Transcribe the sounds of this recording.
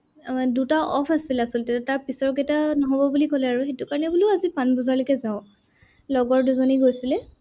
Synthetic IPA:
dutaʔɔpʰasilasiltɛtataɹpisɔɹɡɛtanɔɦɔbɔbulikɔlɛaɹuxetukaɹɔnɛbuloazipanbɔzaɹlokɛzaʊ̃ | lɔɡɔɹduzoniɡojsilɛ

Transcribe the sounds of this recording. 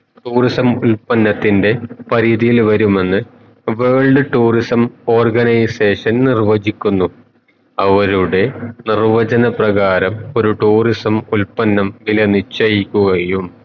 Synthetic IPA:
ʈuːrisɐmulpɐnːɐt̪ːinde̞pɐɾiðijilʋɐɾume̞nːɨ | ʋeːɭɖɨʈuːrisɐmo̞ːrɡɐnɐjse̞ːʂɐnnirʋɐd͡ʑikʲːunːu | ɐʋɐɾuɽe̞nirʋɐd͡ʑɐnɐprɐɣaːɾɐmo̞ɾuʈuːrisɐmulpɐnːɐmʋilɐnit͡ɕːɐjikʲːuɣɐjum

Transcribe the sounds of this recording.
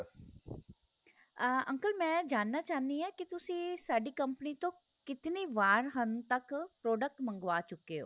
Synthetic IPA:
ə̃ŋkəlmɛ̃ːd͡ʒaːnːaːt͡ʃaːnd̪iːɛːkit̪ʊsĩːsaːɖiːkəmpəniːt̪õː | kɪt̪niːʋaːɾɦənt̪əkpɾoːɖək̚ʈmə̃ŋɡʋaːt͡ʃʊkːeːo̰ː

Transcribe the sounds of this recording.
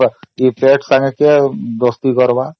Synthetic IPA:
ipeʈsaŋeked̪ost̪ikɔɾba

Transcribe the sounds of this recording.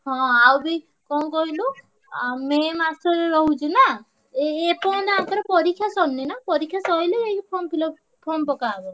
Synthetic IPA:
ɦɔ̃awbi | kɔkɔɦilu | memasɔɾɾɔɦud͡ʒʰuna | eːpɔ̃nd̪eãt̪ɔɾɔpɔɾikʰːjasɔnːinapɔɾikʰjasɔɦileejpʰɔmpilɔ | pʰɔmpɔkabɔ

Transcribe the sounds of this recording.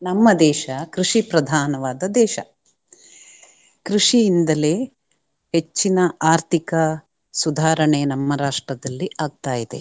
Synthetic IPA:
nɐmːɐd̪ɛːʃɐkɾuʂipɾɐd̪ʱaːnɐʋaːd̪ɐd̪ɛːʃɐ̰ | kɾiʂijind̪ɐle̞ː | het͡ʃːinɐʔaːɾt̪ʰikɐ | sud̪ʱaːɾɐɳenɐmːɐɾaːʂʈɾɐd̪ɐlːiaːɡ̚t̪aːjid̪e̞̰

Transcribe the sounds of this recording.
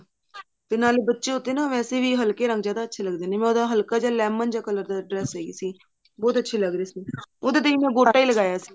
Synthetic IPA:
t̪eːnaːlbətːʃeːʊt̪ːeːnãːʋɛːseːʋiːɦəlkeːɾə̃ŋɡd͡ʒjaːd̪aːətːʃʰeːləɡd̪eːneːmɛ̃ːʊd̪aːɦəlkaːd͡ʒaːlɛːmənd͡ʒaːkələɾd̪aːɖɾɛːseːḭːsiː | bɔːt̪ətːʃʰeːləɡɾiːsiːod̪eːt̪əiːmɛ̃ːɡoːʈːaːiːləɡaːjaːsiː

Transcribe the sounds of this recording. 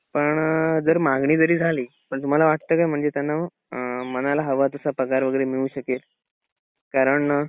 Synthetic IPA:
pəɳd͡zəɾmaɡɳiːd̪əɾiːd͡zʱaliː | pəɳt̪um̤alaʋaʈ̚t̪əːkajm̤əɳd͡zet̪janːa | mənalaɦəʋat̪usapɾəkaɾʋəɡəɾemiɭuːɕəket̪ | kaɾəɳ

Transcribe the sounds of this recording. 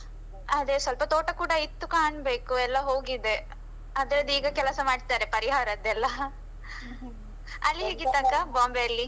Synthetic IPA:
ɐd̪esʋɐlpɐt̪oːʈɐkuːɽɐit̪ːukaːɳbe̞ːkuɛlːɐɦoːɡid̪e̞ | ɐd̪ɐɾɐd̪iːɡɐkɛlɐsɐmaːɽid̪aːɾepɐɾiɦaːɾɐd̪ɛlːɐ | ɐlːiɦeːɡit̪ːakːabaːmbeɐlːi

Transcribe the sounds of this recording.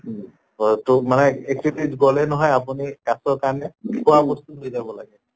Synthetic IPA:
ɔtumanɛek̚tipitɡɔlɛnɔɦɔjapunikasɔɹkaɹnɛkʰɔwabɔst̪utɦojzabɔlaɡɛ

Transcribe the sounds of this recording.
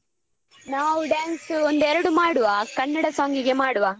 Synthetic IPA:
naːʋuɖaːnsuond̪ɛɾɐɽumaːɽuʋɐkɐnːɐɽɐsoːŋɡiɡemaːɽuʋɐ

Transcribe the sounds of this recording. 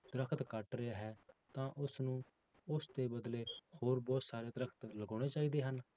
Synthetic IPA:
d̪̥əɾəkʰt̪kəʈɾɪaːɦɛːt̪ãːʔʊsnũː | ʊst̪eːbəd̪leːhoːɾbɔːt̪saːɾeːd̪əɾəkʰt̪ləɡoːɽ̃eːt͡ʃaːiːd̪eːɦən

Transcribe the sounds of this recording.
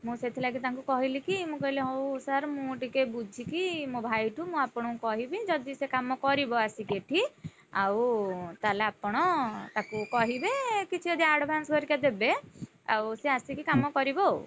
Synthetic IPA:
mũset̪ʰilaɡit̪aŋkukɔɦilikimũkɔɦileɦowsaɾmũʈikebud͡ʒʱikimũbʱajʈʰumũapɔɽ̃ɔkɔɦibid͡ʒɔd̪isekamɔkɔɾibɔasikeʈʰi | a̰wt̪alaːpɔɽ̃ɔt̪akukɔɦibekit͡ʃʰid͡ʒɔd̪iaɾɖbʱanskɔɾikad̪ebe | a̰wseasikikamɔkɔɾibɔ

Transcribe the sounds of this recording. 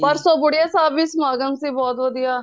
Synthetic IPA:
pəɾsɔːbʊɽɪjaːsaːbʋismaːɡəŋsiːbɔːt̪ʋəd̪ijaː

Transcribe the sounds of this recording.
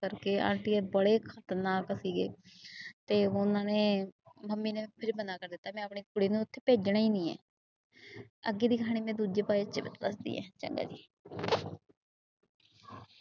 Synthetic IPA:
əɾkeːã̰ːɳʈiːebəɽeːkʰət̪naːksiːɡḛːt̪eːʊnãːneːməmːiːneːpʰɪɾbənaːkəɾd̪ɪt̪ːaːmɛ̃ːəpɳeːkʊɽiːnũʊt̪ʰːeːpeːd͡ʒɳaːiːnĩːɛ̰ː | əɡeːd̪iːkəɦaːɽ̃iːmɛ̃ːd̪uːd͡ʒeːpaːiət͡ʃːebət̪ːəsd̪ḭːɛ̰̃ːt͡ʃə̰ŋɡa̰ːd͡ʒiː

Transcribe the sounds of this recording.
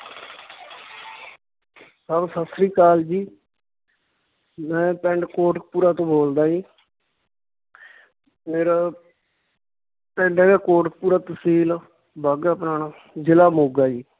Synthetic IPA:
saːbsəsɾiːkaːld͡ʒiː | mɛ̃ːpɛ̃ɳɖkoːʈk̚puːɾaːt̪õːboːld̪aːiː | meːɾaː | pɛ̃ːɳɖɛ̃ːɡaːkoːʈk̚puːɾaːt̪əsiːlː | baːɡaːpnaːnaː | d͡ʒɪlaːmoːɡaːiː

